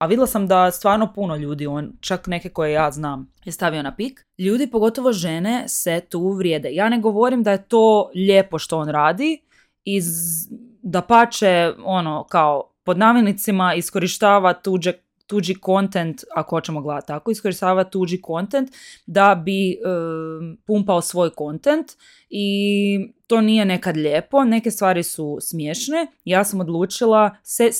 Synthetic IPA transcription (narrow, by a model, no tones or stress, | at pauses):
aʋid̪ilˠasamd̪ast̪ʋaːɾno̞puno̞ʎuːd̪io̞ːnt͡ʃakne̞keko̞jejaːznaːm | jest̪aʋio̞napik | ʎuːd̪ipo̞ɡo̞t̪o̞ʋo̞ʒeneset̪uːʋɾjeːd̪ejaːne̞ɡo̞ʋo̞ɾimd̪ajet̪oːʎepo̞ʃt̪o̞oːnɾaːd̪i | i | d̪apat͡ʃeono̞kaopo̞d̪naːmjenit̪simaisko̞ɾiʃt̪aːʋat̪ud͡ʒe | t̪uːd͡ʒiko̞nt̪ent̪akoho̞t͡ʃemoɡlˠat̪ːako̞isko̞ɾiʃt̪aːʋat̪ud͡ʒiko̞nt̪ent̪d̪abi | pumpaosʋo̞ːjko̞nt̪ent̪ | i | t̪o̞ːnije̞ne̞kad̪ʎeːpo̞ne̞kest̪ʋaːɾisusmjeːʃnejaːsamod̪lˠuːt͡ʃilˠase